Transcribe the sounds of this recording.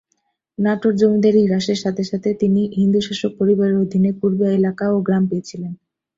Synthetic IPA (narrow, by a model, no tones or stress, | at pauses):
naʈoɾd͡ʑomid̪aɾiɾaʃeɾʃat̪ʰeʃat̪ʰet̪iniɦind̪uʃaʃok̚poɾibaɾeɾod̪ʱinepuɾbaelakaoɡɾampeet͡ɕʰilen